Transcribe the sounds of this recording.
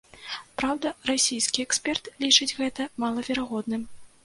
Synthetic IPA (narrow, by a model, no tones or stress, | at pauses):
pɾawd̪ɐrasʲijskʲiɛksʲpʲɛrt̪lʲit͡ʂɨd͡zʲɣɛt̪ɐmalˠɐvʲɛɾaɣɔd̪nɨm